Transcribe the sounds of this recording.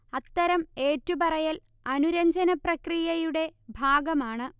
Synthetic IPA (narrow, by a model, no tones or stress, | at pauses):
ɐt̪ːɐɾɐme̞ːtːubɐrɐjɐl | ɐnuɾɐɲd͡ʑɐnɐprɐkrijɐjuɽe̞bʱaːɡɐmaːɳɨ